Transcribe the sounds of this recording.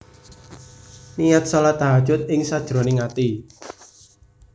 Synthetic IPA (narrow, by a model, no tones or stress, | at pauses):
nijat̪̚salat̪aɦad̥ʒ̥ʊt̪̚ɪŋsad̥ʒ̥ɾoneŋat̪i